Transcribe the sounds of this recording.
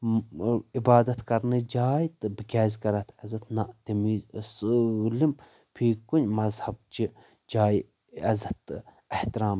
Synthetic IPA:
ibaːd̪ɐt̪kɐɾnɨd͡ʒaːjt̪ɨbɨkʲaːzʲkɐɾɐt̪ʰɐzɐt̪naʔt̪imiːzsɨɣlim | pʰiːkunʲmɐzhɐb̚t͡ʃi | d͡ʒaːj | ɐzɐt̪ | ɐht̪iɾaːm

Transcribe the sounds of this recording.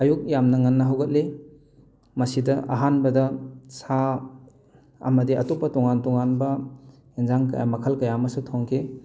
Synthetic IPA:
ɐjuk̚jamnɐŋɐnːɐɦawɡɐt̚le | mɐsidɐʔɐ̰ɦanbɐdɐsa | ɐ̰mɐdiɐ̰topːɐtɔŋantɔŋanbɐ | enzaŋkɐ̰ja̰mɐkʰɐlkɐjamɐsutʰoŋkʰe

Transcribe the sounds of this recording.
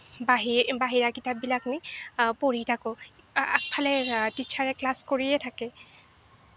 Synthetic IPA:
baɦibaɦiɹakitap̚bilaknipoɹitʰakʊ̃ | a̰k̚pʰalɛtiʃʰaɹɛklaskoɹijɛtʰakɛ

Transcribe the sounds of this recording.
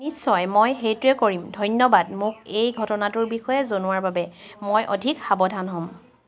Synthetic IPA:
nisːɔjmojɦejtʊɛkoɹimdʱɔjnjɔbad̚mʊkejɡʱɔtɔnatʊɹbixɔjɛzonʊwaɹbabɛmojʔo̰dʱikxabɔdʱanɦɔ̃m

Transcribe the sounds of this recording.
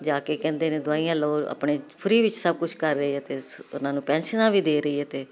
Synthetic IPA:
d͡ʒaːkeːkɛ̃ːnd̪eːnẽːd̪ʊaːijãːloːə̰ːpɳeːpʰʊɾiːʋɪt͡ʃsəb̚kʊt͡ʃʰkəɾːəiːɛt̪eːʊnãːnũːpɛ̃ːnʃənãːʋiːd̪eːɾəiːɦɛːt̪eː

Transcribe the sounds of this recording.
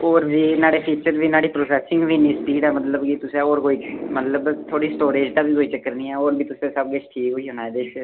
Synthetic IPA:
oːɾbiːnaːɽeːpʰiːt͡ʃəɾʋiːnaːɽiːpɾoːsɛːsɪ̃ŋɡʋiːniːspiːɖɛːmət̪ləbkit̪ʊsẽːoːɾɦoːiːt͡ʃmət̪ləbt̪ʰoːɽiːsʈoːɾeːd͡ʒt̪aːʋiːɦoːiːt͡ʃəkːəɾniːɛːoːɾbiːt̪ʊsẽːsəbɡɪt͡ʃʈʰiːkɦoːiːɦʊnaːɛːd̪eːʃ

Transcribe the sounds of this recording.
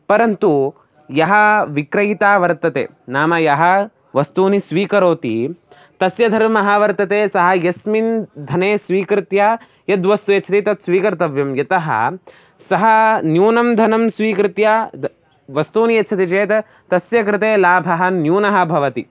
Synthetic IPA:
pɐɾɐnt̪u | jɐɦɐʋikɾɐjit̪aːʋɐɾt̪ɐt̪ḛː | naːmɐjɐɦɐ | ʋɐst̪uːnisʋiːkɐɾoːt̪ḭ | t̪ɐsjɐd̪ʱɐɾmɐɦaːʋɐɾt̪ɐt̪eːsɐɦɐjɐsmind̪ʱɐneːsʋiːkɾɪt̪ja | jɐd̪ʋɐst̪ujɐtːt͡ʃʰɐt̪it̪ɐt̪sʋiːkɐɾt̪ɐʋjɐmjɐt̪ɐɦɐ̰ | sɐɦɐnjuːnɐmd̪ʱɐnɐmsʋiːkɾɪt̪jɐ | ʋɐst̪uːnijɐtːt͡ʃʰɐt̪it͡ʃeːt̪ | t̪ɐsjɐkɾɪt̪eːlaːbʱɐɦɐnjuːnɐɦɐbʱɐʋɐt̪i

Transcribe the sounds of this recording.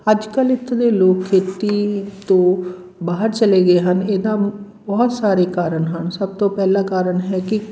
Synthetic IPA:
əd͡ʒkəlɪt̪ʰːd̪eːloːkkʰeːt̪iːt̪õː | baːɦəɾt͡ʃəleːɡeːɦəneːd̪aː | bɔːt̪saːɾeːkaːɾəɳɦənsəb̚t̪õːpɛːlaːkaːɾəɳɦɛːkɪ

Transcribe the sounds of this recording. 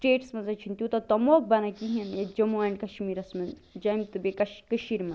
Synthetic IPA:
sʈeːʈsmɐnzɐt͡ʃʰint̪ʲut̪ɐt̪ɐmoːk̚bɐnɐkiɦiɐnjed͡ʒɐmuɐɳɖkɐʃmiːɾɐsmɐn | d͡ʒɐjmt̪ɨbekɐʃkəʃiːɾmɐ

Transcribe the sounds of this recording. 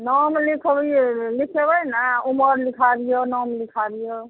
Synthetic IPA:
nɔmlikʰbilikʰebəjnauməɾlikʰabijonɔmlikʰabijo

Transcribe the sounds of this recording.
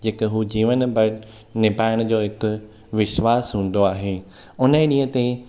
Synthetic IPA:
d͡ʑeːkəɦuːd͡ʑiːʋənbɐɽ | nɪbaːɪəɽ̃d͡ʑoːɦɪkʊ̆ | ʋɪʃwaːsɦũːn̆d̪oaːɦeː | ʊnəɗĩːɦə̃t̪e

